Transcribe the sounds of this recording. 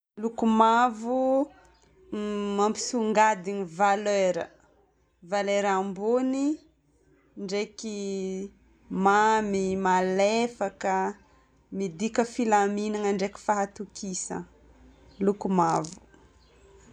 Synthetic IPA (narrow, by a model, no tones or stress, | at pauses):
lukumavu | mampi̥suŋɡad̪iɲivaløɾə̰ | valeɾambuni | ɳɖ͡ʐeki | mamimalefakə | mid̪ikəfilaminaŋəɳɖ͡ʐeki̥faɦat̪ukisə̰ | lukumavu̥